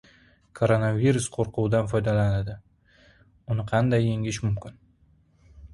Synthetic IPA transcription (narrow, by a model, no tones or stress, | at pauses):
kʰoɾonaviɾʊsqʰoɾquwd̪anfɒjd̪alanad̪ɪ | ʊnɪqʰɑnd̪ajːeŋɪʃmʊmkʲɪn